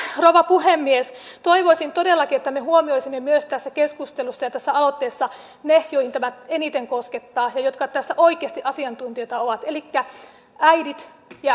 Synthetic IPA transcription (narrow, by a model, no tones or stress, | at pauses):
roʋɑpuhemːiest̪oiʋoisint̪odelːɑkiet̪ːæmeɦuomioisimːemyøst̪æsːækeskust̪elusːɑjɑt̪æsːæɑlot̪ːeːsːɑ | nejoihint̪æmæenit̪eŋkosket̪ːɑːjɑjot̪kɑt̪æsːæʔoikeːst̪iʔɑsiɑnt̪unt̪iot̪ɑoʋɑt̪elikːæ | ʔæidit̪ | jɑ